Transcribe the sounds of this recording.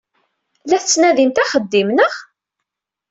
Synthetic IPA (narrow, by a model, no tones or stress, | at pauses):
læθt͡sːnæðint̪æχəd̪ːimnəχ